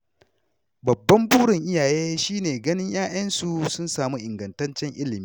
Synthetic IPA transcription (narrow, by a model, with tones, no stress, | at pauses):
bɐ˨bːɐ˦mbuː˦ɽɪ˨ŋʔɪ˦jaː˨jeː˦ʃiː˦neː˨ɡɐ˦nɪ˦ɲjaː˦j̰ɐ˦nsu˨sʊ˦nsaː˨mu˦ʔɪ˨ŋɡɐ˨ntɐ˦nt͡ʃɛ˦ŋʔɪ˦lɪ˨miː˦